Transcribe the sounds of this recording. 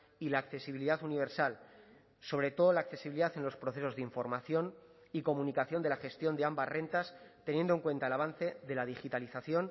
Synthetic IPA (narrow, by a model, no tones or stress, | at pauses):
ilaːkθe̞siβiliðaθuniβe̞ɾsal | so̞βɾe̞t̪o̞ðolaːkθe̞siβiliðaθe̞nlo̞spɾo̞θe̞so̞zðiɱfo̞ɾmaθjo̞n | iko̞mũnikaθjo̞nd̪elaxe̞st̪jo̞nd̪eambazre̞nt̪ast̪enjend̪oe̞ŋkwe̞nt̪aelaβ̞anθe̞ðe̞lað̞ixit̪aliθaθjo̞n